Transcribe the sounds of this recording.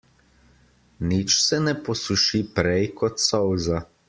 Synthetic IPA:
nit͡ʃsɛnɛpɔsuʃipɾɛjkɔt̪sɔwza

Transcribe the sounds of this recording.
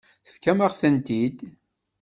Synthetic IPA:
θə̥fkæmaʁθənt̪id̪

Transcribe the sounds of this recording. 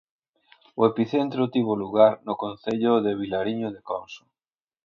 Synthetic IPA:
ʊepiθent̪ɾʊt̪iβʊluɣaɾnʊkonθeʎʊðeβ̞ilaɾiɲʊðekɔnsʊ̥

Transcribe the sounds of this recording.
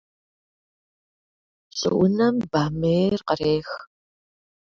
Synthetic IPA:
ɕʼɨ̰ʔʊnɐmbaːmeːrqɐɾeːx

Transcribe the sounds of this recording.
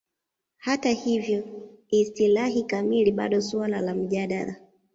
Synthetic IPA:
hatahivjɔistilaɦikamiliɓa̰ɗɔswalalam̩ʄaɗa̰ɾa

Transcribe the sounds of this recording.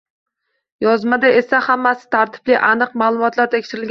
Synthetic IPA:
jɒzmad̪aesahamːasɪ̥t̪ʰaɾt̪ʰɪ̥blɪʔanɨqmaːlˠʊmɒt̪ʰlaɾt̪ʰekʲʃɪɾɪlɡʲ

